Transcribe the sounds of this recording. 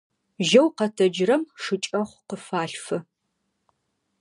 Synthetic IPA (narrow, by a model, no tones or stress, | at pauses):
ʒɐwqɐtʰɐd͡ʒrɐmʂɨt͡ʃʼɐχʷqəfaːɬfɨ